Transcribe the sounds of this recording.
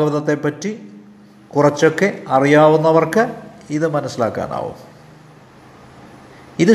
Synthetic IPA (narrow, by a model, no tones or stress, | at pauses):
ɐʋɐðɐt̪ːe̞pːɐtːi | kurɐt͡ɕːo̞kːe̞ɐrijaːʋunːɐʋɐrkɨiðɨmɐnɐsila̰ːkːa̰ːna̰ːʋṵm | iðɨ